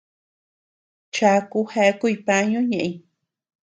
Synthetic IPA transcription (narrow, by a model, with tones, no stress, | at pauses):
t͡ʃa˧ku˦ha˧˦ku˦jpa˧ɲõ˦ɲã˧ʔĩ˧